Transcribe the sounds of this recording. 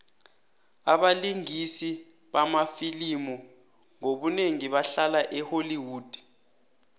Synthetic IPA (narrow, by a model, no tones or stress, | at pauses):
aɓaliŋisi | ɓamafilimɔ | ŋoɓuneŋiɓaɬalaʔɛholiwuːd̥ʱi̥